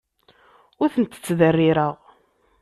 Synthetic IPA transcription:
ʊɾθənt̪ə̥t͡sːðərːiɾəʁ

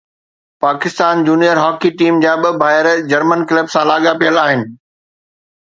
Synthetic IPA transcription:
paːkɪst̪aːnd͡ʑuːnijəɾɦɔːkiʈiːmd͡ʑaːɓɪbʱaːɦɪɾd͡ʑɐɾmənkɪləbsãlaːɠapijəlaːɦɪnɪ̆

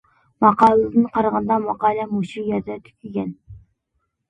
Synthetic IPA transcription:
mɑqɑlˠd̪ɨnqʰɑɾʁɑnd̪ɑmɑqɑːlɛmuʃijɛɾd̪ɛt̪ʰy̥kʲyɡʲɛn

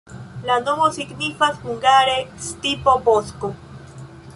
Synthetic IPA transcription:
lanoβosiɡnifaspuŋɡaɾest̪ipobosko

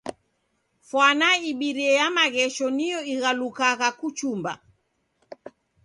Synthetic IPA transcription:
fwanaiɓiɾiɛjamaɣɛʃɔnijɔiɣalukaɣakut͡ʃumba̰

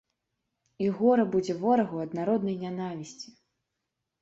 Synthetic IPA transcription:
iɣɔɾɐbud͡zʲɛvɔɾɐɣɐwɐd̪naɾɔd̪nɐjnʲanavʲisʲt͡sʲi̥

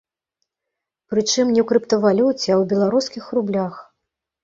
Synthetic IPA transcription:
pɾɨt͡ʂɨmnʲɛwkɾɨpt̪ɐvalʲut͡sʲɛawbʲɛlˠaɾuskʲixrublʲax

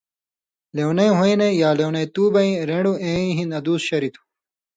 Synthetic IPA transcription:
lewnɐjɦoinɐjaːlewnɐjt̪uːbɐĩɾẽɖuẽĩɦĩnɐd̪uːsɕɐɾit̪ʰu̥

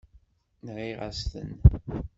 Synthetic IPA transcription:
nʁiʁast̪ə̰n

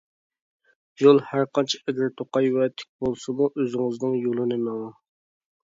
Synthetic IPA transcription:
jolˠhæɾqɑnt͡ʃʰi̥ɛɡʲɪɾt̪ʰoqɑjvɛt̪ʰɪ̥k̚ʲbolˠsɨmuʔøzɪŋɨznɨŋjolˠɨnɨnɑmɑ

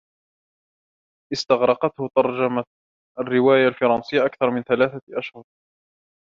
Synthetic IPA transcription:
ʔɪst̪ɑɣɾˤɑqɑt̪hʊt̪ɑɾˤd͡ʒama | ʔarːɪwaːjalfɑɾˤɑnsɪjːaʔakθɑɾˤmɪnθalaːθaʔaʃhʊɾˤ

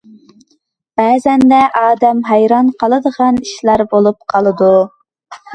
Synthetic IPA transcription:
b̥æːzɛnd̪ɛʔɑːd̪ɛmɦæjɾɑnqʰɑlˠɨd̪əʁɑniʃlæɾbolˠup̚qʰɑlˠɨd̪u

